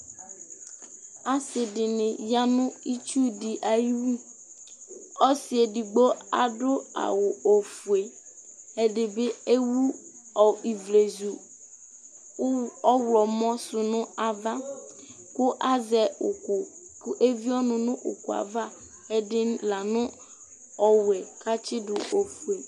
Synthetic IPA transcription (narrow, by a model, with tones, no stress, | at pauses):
a˨sɪ˨dɪ˨nɪ̃˨ja˦nʊ̃˦i˦t͡ʃu˦di˨ʔa˨ji˦wu˦ | ɔ˦si˨e˨di˨ɡ͡bo˦a̰˨ɖʊ˦a̰˨wʊ˨o˨fu˨e˨ | ɛ˦ɖɪ˨be˦e˦wu˦ | ɔ˨i˨vle˨zu˨˦ | ɔ˦wlɔ˨mɔ̃˦sʊ˨nʊ̃˦a˨va˦ | kʊ˦ʔa˦zɛ˨ʊ˨kʊ˨kʊ˦ʔe˦vi˦ɔ˦nʊ̃˨nʊ̃˦ʔʊ̰˨ku˨a̰˨va˦ | ɛ˦dɪ˦la˨nʊ̃˦ | ɔ˨wɛ˨ka˦t͡ʃɪ˦dʊ˨o˨fu˨e˨